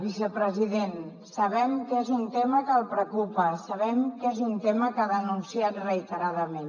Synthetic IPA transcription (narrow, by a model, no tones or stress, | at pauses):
bisəpɾəziðen | sɐβɛmkezunt̪eməkəlˠpɾəkupəsəβɛmkezunt̪eməkaðənunsiat̪rəit̪əɾaðəmen